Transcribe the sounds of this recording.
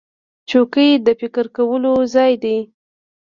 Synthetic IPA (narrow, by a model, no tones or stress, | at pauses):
t͡ʃokəjd̪əfɪkəɾkawəlozɑjd̪ej